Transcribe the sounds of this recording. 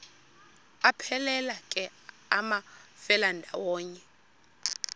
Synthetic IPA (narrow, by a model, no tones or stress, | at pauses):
apʰɛlɛlakʼɛ | amafɛlandʱawɔːɲɛ